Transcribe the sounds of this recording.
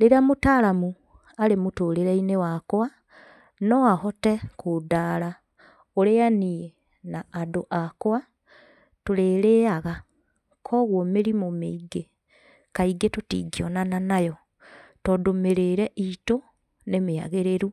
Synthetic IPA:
leɾamotaɾamu | aɾemotoːɾeɾɛinewakoa | nɔahɔtɛkodaɾa | oɾeanie | naːdoʔakwa | toɾeːɾeːaɣa | kʰɔɣwɔmeɾimomeiɡe | kaiɡetotḭɡiɔnananajɔ | tɔdomeɾeɾɛʔito | nemea̰ɣeɾeɾu

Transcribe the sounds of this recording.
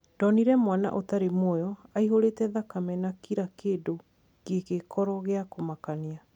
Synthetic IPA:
d̥ɔniɾɛmwana̰ʔotaɾemojɔaiɦoɾeːtɛðakamɛnakiɾakeːdo | kekekʰɔɾɔɣeakomakania

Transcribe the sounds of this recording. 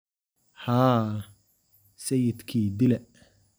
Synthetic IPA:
haː | sɛjɪd̪kʰiːd̪ɪlɛ

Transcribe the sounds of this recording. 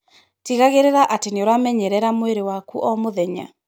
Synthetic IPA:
tiɣaɣeɾeɾaʔateneoɾamɛɲɛɾɛɾamoeɾewakuʔɔmoðɛɲa̰

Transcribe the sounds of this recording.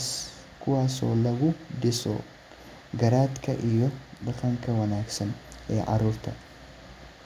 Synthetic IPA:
s | kʊwaso̰ːlɐɡʊd̪ɪso̰ː | ɡɐɾaːt̪kʰɐʔɪjɔbɐkɐŋkʰɐwɐnaːksɐnʔeːʔɐ̰ɾʊɾt̪ʰɐ

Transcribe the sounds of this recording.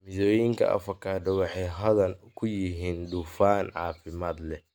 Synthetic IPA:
mɪðɔːjɪŋkʰɐ̰ʔɐ̰fɐkʰaːd̪ɐwɑħɑjɦɐðɐnkʰʊjɪɦiːnd̪ufaːnʕɑ̰ːfɪmaːd̪lɛ

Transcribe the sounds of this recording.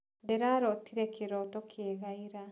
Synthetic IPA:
dɛɾaɾotiɾekiɾotokʰieɣaiɾa

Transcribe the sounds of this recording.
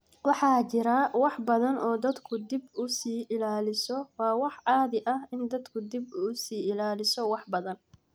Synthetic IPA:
wɑħɑːt͡ʃɪɾawɑħbɐðɐnʔɔːd̪ɐd̪kʰʊd̪ɪbʊsiːʔɪlaːlɪsɔwɑːwɑħʕɑːðɪʔɐhɪnd̪ɐd̪kʰʊd̪ɪbʊsiːɪlaːlɪsɔwɑħbɐðɐn

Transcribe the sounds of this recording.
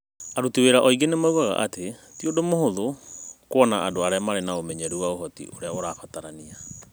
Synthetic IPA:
aɾutiweɾaʔɔiɡenemauɣaɣa̰ʔatetiodomohoðokwɔnaʔadoaɾeamaɾenaomɛɲɛɾuwaoɦɔtḭʔoɾeaoɾaːfataɾania

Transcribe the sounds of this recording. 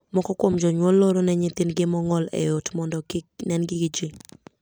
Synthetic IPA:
mɔkɔkwomd͡ʒɔɲwɔlːoɾonɛɲɪt̪ɪnɡɪmɔŋɔlɛ̰jotmɔndɔnɛnɡɪɡɪd͡ʒi

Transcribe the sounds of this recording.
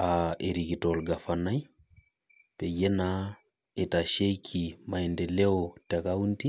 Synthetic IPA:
aeɾikitolɡafanaj | pejenaetaʃejkʰimajndeleotekawunti

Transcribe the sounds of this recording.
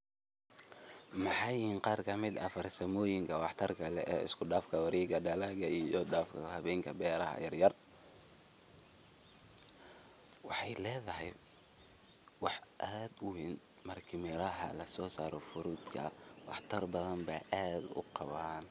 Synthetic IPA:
mɑħɑjɪhiːnqɑːrkʰɐmɪd̪ɐfɐrsɐmɔːjɪŋkʰɐwɑħt̪ʰɐrkʰɐlɛʔɔːɪ̰skʰʊɖaːfkʰɐwɐɾiːɡɐɖɐlaɣɐijɔɖaːfkʰɐhɐβɛːŋkʰɐbɛːɾɐhɐ̰jɐrjɐr | wɑħɑjlɛːðɐɦɛj | wɑħʔad̪ʊwiːn | mɐrkʰɪmɪɾɐɦɐ̰lɐsɔːsaːɾɔfʊɾʊd̪kʰɐ̰wɑ̰ħt̪ʰɐrbɐðɐmbaːʔaːd̪ʊ̰qɑβan

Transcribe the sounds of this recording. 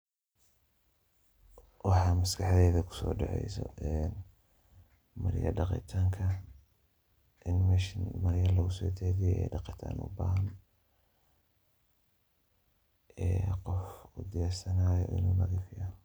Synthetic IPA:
wɑħɑːmɐskʰɑħðɛːðɐkʰʊ̥sɔ̰ːɖɑʕɛ̰jsɔ̰ɛn | mɐ̰ɾjɐ̰ɖɑqɪ̰t̪ʰaːŋkʰɐ | ʔɪnmɛʃnmɐɾjɐlɐɣʊsɔːt͡ʃɛːðɪjɛɛ̰jɖɑqɪt̪ʰa̰ːnʔʊ̰ba̰ːɦɐn | ɛːqɔfʊd̪ɪjaːsɐnaːjɔ̰ʔɪ̰nuːlɐɣɛfɪjaːn

